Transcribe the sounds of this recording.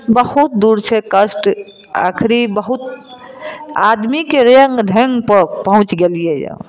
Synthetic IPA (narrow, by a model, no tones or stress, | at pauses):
bəhut̪̚d̪uɾt͡ʃʰɛkəsʈ | a̰kʰɾibəɦut̪ | ad̪mikeɾəŋɡɖʱeŋɡpəɾpəɦũt͡ʃɡelijɛja̰